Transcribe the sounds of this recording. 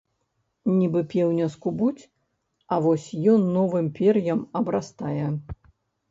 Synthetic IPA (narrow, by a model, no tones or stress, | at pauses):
nʲibɨpʲɛwnʲɐskubut͡sʲ | ɐvɔsʲjɔnːɔvɨmpʲɛrjɐmɐbɾast̪ajɛ